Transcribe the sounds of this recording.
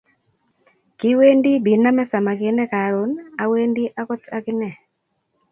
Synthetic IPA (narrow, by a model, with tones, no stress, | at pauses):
kɪ˦we˦ndi˦bi˨na˦mɛ˦sa˨ma˨kɪ˦nɛ˦ka˨ɾo˨˦na˨we˦ndi˦ʔa˦kɔ˦ta˦kɪ˦nɛ˨